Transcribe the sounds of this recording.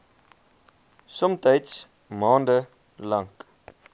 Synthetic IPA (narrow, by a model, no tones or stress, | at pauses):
sɔmtɐjts | mɑːndə | lɐŋk